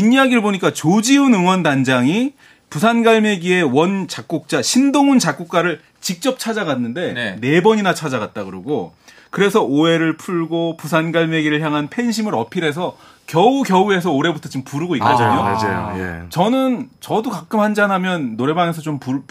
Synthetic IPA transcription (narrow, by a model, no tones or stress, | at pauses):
iɲiaɡiɾɯɭboɲik͈at͡ɕod͡ʑiunɯŋwʌndand͡ʑaŋi | pusʰanɡaɭme̞ɡie̞wʌnt͡ɕak̚k͈uk̚t͡ɕ͈aɕʰindoŋunt͡ɕak͈uk̚k͈aɾɯɭ | t͡ɕik̚t͡ɕ͈ʌp̚t͡ɕʰad͡ʑaɡanːɯnde̞ne̞bʌɲinat͡ɕʰad͡ʑaɡat̚t͈aɡɯɾɯɡo | kɯɾe̞sʰʌoe̞ɾɯɭpʰuɭɡopus̬ʰanɡaɭme̞ɡiɾɯɭçjaŋɦanpʰe̞nɕʰimɯɾʌpʰiɾe̞s̬ʰʌ | kjʌukjʌue̞s̬ʰʌoɾe̞butʰʌt͡ɕompuɾuɡoik͈odaɲoad͡ʑajo̰jḛt͡ɕʌnɯnt͡ɕʌdokak͈ɯmhand͡ʑanɦamjʌnːoɾe̞baŋe̞sʰʌt͡ɕompu